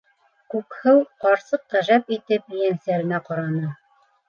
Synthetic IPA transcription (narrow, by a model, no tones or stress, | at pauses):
kʉkhɘwqɑɾsɤqʁæʒæpit̪ɘpjænsæɾɘ̆næqɑɾɑnɤ